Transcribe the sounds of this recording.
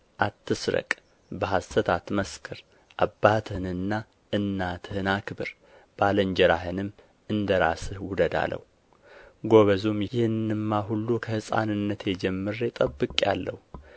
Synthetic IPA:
ʔat̪ːɨsɾə̰kʼ | bəɦast̪ət̪ʰat̪məskʰɨɾ | ʔabːat̪ʰɨhɨnɨnːa | ʔɨnːat̪ʰhɨnakʰɨbɨɾ | b̥aləɲd͡ʒɛɾaɦɨnɨm | ɨnd̪əɾa̰sɨhwʊd̪əd̪a̰lə̰hu | ɡo̞βəzumjjɛɨnːɨmːaɦulːukʰəhɨsʼa̰nɨnːət̪jɛd͡ʒɛmːɨɾjɛt̪ʼəbːɨkʼja̰lːə̰hu

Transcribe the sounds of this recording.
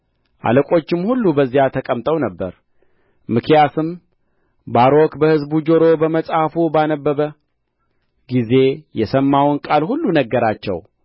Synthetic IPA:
ʔa̰ləkʼo̞t͡ʃːɪmhulːubəzːijat̪ʰəkʼəmt̪ʼəwnəbːə̰ɾ | mɨkʰjasɨm | baɾo̞kbəhɨzbud͡ʒoɾo̞bəməsʼhafubanəbːəβə | ɡize̞jɛsəmːawnkʼalhulːunəɡːəɾat͡ʃːɛ̰w

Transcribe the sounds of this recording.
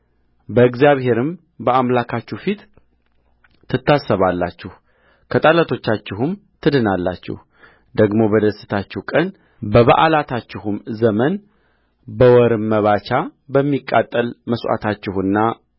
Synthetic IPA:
bəɨɡzjaβɦe̞ɾɨm | bəamlakʰat͡ʃːufit̪ | ɨt̪ːasːəβalːa̰t͡ʃːɪh | kʰət̪ʼalət̪ʰo̞t͡ʃːat͡ʃːɪɦumt̪ʰɨd̪ɨnalːa̰t͡ʃːɪ̰h | d̪əɡmo̞bəd̪əsɨ̥t̪ʰat͡ʃːɛhkʼən | bəβaʔalat̪ʰat͡ʃːɪhumzəmən | bəwɔɾɨmːəβat͡ʃabəmːikʼːa̰t̪ʼːəlməswʔa̰t̪ʰat͡ʃːɪhɨnːa

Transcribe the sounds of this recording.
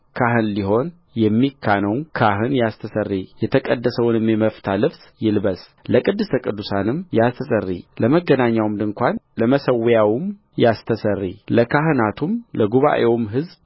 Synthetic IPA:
kʰaɦɨnliɦo̞n | jɛmːikʰːanəwkʰaɦɨnjast̪ʰəsərːijɛt̪ʰəkʼəd̪ːəsəwnɨmjɛməft̪ʰalɨβs | jɪlbəs | ləkʼɨd̪ːɨst̪ʰəkʼɨd̪ːusanɨmjast̪ʰəsərːḭləməɡːənaɲːawmd̪ɨŋkʷanləməsəwjawɨm | jast̪ʰəsərːiləkʰaɦɨnat̪ʰumləɡuβa̰ʔewmɦɨzb

